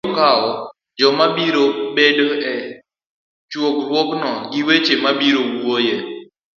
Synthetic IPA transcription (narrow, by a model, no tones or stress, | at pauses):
kaɔ | d͡ʒɔmabiɾobedoɛ | t͡ʃwokɾwoknɔɡɪwet͡ʃemabiɾowoje